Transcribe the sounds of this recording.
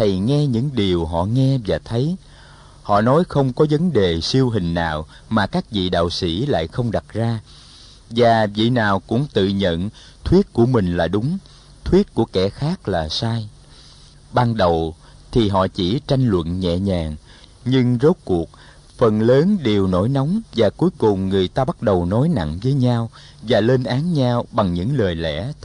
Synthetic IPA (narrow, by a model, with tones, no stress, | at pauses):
t̪ʰə˨˩jŋɛ˧ɲɨ̰˧˥ŋɗi˨˩əwɦɔ̰˧˨ŋɛ˧vaː˨˩t̪ʰə˨˦j | hɔ̰˧˨nɔ˨˦jxə˧wŋ͡mkɔ˨˦və˨˦nɗe˨˩si˧əwɦï˨˩ŋ̟na̰ː˨w | maː˨˩kaː˦˥k̚vḭ˧˨ɗa̰ː˧˨wsḭ˧˩˥la̰ː˧˨jxə˧wŋ͡mɗa˨˩t̚zaː˧ | vaː˨˩vḭ˧˨naː˨˩wkʊ̰˧˥ŋ͡mt̪ɨ̰˧˨ɲə̰˧˨n | t̪ʰwi˦˥ət̚ku˧˩əmï˨˩ŋ̟laː˨˩ɗʊ˨˦ŋ͡m | t̪ʰwi˦˥ət̚ku˧˩əkɛ˧˩xaː˦˥k̚laː˨˩saː˧j | ɓaː˧nɗə˨˩w | t̪ʰi˨˩ɦɔ̰˧˨t͡ɕḭ˧˩t͡ɕa˧jŋ̟lwə̰˧˨nɲɛ̰˧˨ɲaː˨˩ŋ | ɲɨ˧ŋzo˦˥t̚ku˨˩ək̚ | fə˨˩nləː˨˦nɗe˨˩əwno̰˧˥˦jna˨˦wŋ͡mvaː˨˩ku˨˦jkʊ˨˩ŋ͡mŋɨ˨˩əjt̪aː˧ɓa˦˥t̚ɗə˨˩wnɔ˨˦jna̰˧˨ŋvəː˨˦jɲaː˧w | vaː˨˩le˧nʔaː˨˦nɲaː˧wɓa˨˩ŋɲɨ̰˧˥ŋləː˨˩jlɛ̰˧˥